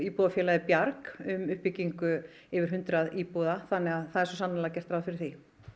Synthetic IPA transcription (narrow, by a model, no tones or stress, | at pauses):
iːpɔðafjɛːlaðɪpjaɾkʏmʏhpicːiŋkʏ | ɪvɪɾ̥ɦʏnt̪ɾaðiːpɔðaθanːɛɣaðθaðɛɾsɔsanːalacɛr̥t̪ɾaːwfɪɾɪɾθi